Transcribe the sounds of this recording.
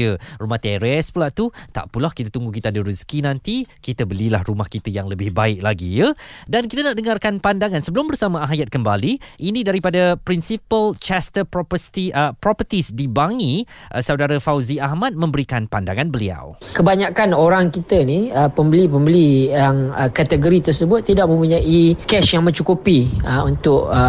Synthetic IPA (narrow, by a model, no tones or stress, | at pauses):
ərumaht̪eɾɛspulaʔt̪ut̪a̰ʔpulahkit̪at̪uŋɡukit̪aadəɾuskinãnt̪ikit̪əbəlilahrumahkit̪əjaŋləbɪhbaɪk̚laɡijədankit̪anaʔdəŋarkanpandaŋansəbəlʊmbərsamãaɦjat̪̚kəmbaliʔinĩdaɾipadapɾinsipəlt͡ʃast̪əpɔpəst̪iəpɾɔpət̪isdibaŋĩʔsawdaɾafawziahmat̪̚mə̃mbəɾikanpandaŋanbəlia̰wkəbaɲakanoɾaŋkit̪əniəpəmbəlipəmbəlijaŋəkat̪əɡoɾit̪ərsəbʊt̪ːidaʔ̚mə̃mpuɲaʔikɛsjaŋmə̃ɲt͡ʃukupiəunt̪ʊʔ